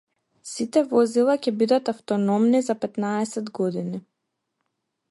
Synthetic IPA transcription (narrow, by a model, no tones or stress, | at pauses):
sit̪ɛvɔzilˠacɛbid̪at̪aft̪ɔnɔmnizapɛt̪naɛsɛd̪ɡɔd̪ini